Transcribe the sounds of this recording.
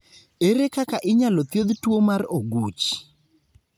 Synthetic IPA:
eɾekakaʔɪɲalot̪jod̪twomaroɡut͡ʃ

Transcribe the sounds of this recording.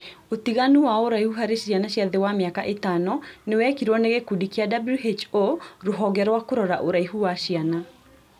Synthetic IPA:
ot̪iɣanuwaɔoɾaihuɦaɾeʃanaɕjaðewameakaʔetanɔnewɛkiɾwɔneɣekudikiadabluɦet͡ʃoɾoɦɔɡɛɾwakoɾɔɾaʔoɾaiɦuwaʃiana

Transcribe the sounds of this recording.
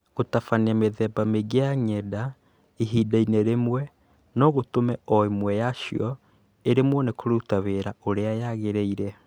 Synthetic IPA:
otafaneameðɛbameɡeaɲɛda | iɦiːdainɛɾemwɛ | nɔɣotomɛɔemwɛjaʃiɔ | eɾemwɔnekoɾutaβeɾaoɾeajaɣeɾɛiɾɛ

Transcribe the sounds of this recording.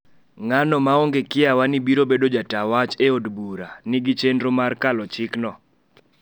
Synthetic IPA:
ŋanɔmaoŋɡekɪawanɪbiɾobedod͡ʒatawat͡ʃeodbuɾanɪɡit͡ʃendɾomarkalɔt͡ʃɪknɔ

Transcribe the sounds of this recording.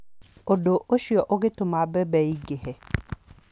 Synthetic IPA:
odoʔoʃiɔʔoɡetʊmabɛbɛiɡehɛ

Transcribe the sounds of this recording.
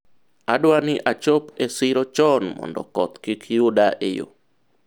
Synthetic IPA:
adwanɪʔat͡ʃopesɪɾɔt͡ʃɔnmɔ̰ndɔ̰kɔt̪kɪkjudaʔejo̰

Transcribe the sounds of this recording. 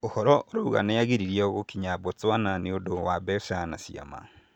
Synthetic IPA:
ohɔɾɔʔoɾouɣa̰nejaɣiɾiɾijɔɣokiɲabot͡swananeodowabɛsana̰sja̰ma̰

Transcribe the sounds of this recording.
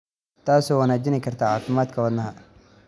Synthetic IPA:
t̪ʰaːsɔːwanaːd͡ʒɪnɛɪkʰɐrt̪ʰaːʕaːfɪmaːd̪kʰɐwɐd̪nɐɦɐ

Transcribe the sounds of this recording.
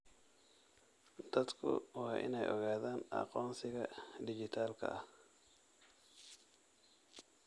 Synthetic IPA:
d̪̥ɐd̪kʰʊ̰wɑːʔɪ̰nɛjʔɔ̰ɣaːðaːnɑ̰qɔːnsɪɣɐɖɪd͡ʒɪt̪ʰaːlkʰɐ̰ɐ

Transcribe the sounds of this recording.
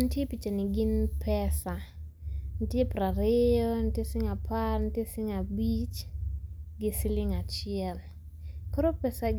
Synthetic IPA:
ntjepit͡ʃenɪɡɪnpʰɛsa | ntjepɾaɾeɔntjesɪŋapʰarntjesɪŋabit͡ʃ | ɡɪsilɪŋat͡ʃɪɛl | koɾopɛsaɡ

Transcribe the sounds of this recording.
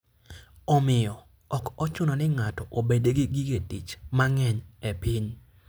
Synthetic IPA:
ɔmɪjɔ | ɔkɔt͡ʃʊnɔnɪŋatɔʔobedeɡɪɡɪɡetit͡ʃmaŋɛɲepiɲ

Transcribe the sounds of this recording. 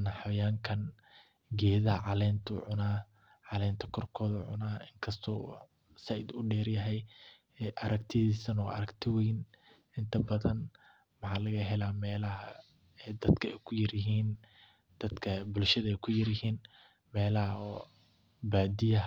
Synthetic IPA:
nɐħajaːŋkʰɐn | ɡɛːðɐhɐʕɑlɛːnt̪ʰʊ̰ʕʊnaː | ʕɑlɛːnt̪ʰɐkʰɔrkʰɔːðɐʕʊnaːɪŋkʰɐst̪ʰɔː | sɐjd̪ʊɖɛːɾjɐɦɛj | ʔɐɾɐkt̪ʰɪðiːsɐnɔ̰ːʔɐ̰ɾɐkt̪ʰɪwɛjn | ɪnt̪ʰɐbɐðɐn | mɐħɑːlɐɣɐɦɛlaːmɛːlɐɦɐ | ɛd̪ɐd̪kʰɐɛjkʰʊjɐɾjɪɦiːn | d̪̥ɐd̪kʰɐbʊlʃɐðɐɛjkʰʊjɐɾjɪhiːn | mɛːlɐhɐɔ | baːd̪ɪjɐ

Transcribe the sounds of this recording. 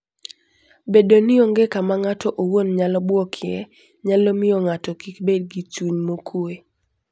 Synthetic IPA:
bedonɪoŋɡekamaŋatɔʔowonɲalɔbwɔkʰjɛ | ɲalomɪɔŋatɔkikbed̚ɡit͡ʃuɲmokʰue

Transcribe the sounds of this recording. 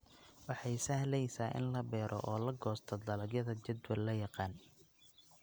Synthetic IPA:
wɑħɑjsɐhlɛjsaːʔɪ̰nlɐbɛːɾʔɔ̰ʔɔːlɐɡɔːst̪ʰɔd̪ɐlɐɡjɐðɐt͡ʃɐd̪wɐlːɐjɑqɑːn

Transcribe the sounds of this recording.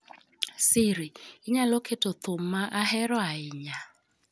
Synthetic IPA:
sɪɾiɪɲaloketot̪ʰʊmːaʔaɦɛɾɔaɪɲa

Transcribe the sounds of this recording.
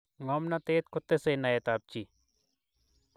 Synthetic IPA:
ŋɔːmnat̪eːt̪̚kʰʊt̪ːesenajet̪aːp̚t͡ʃi

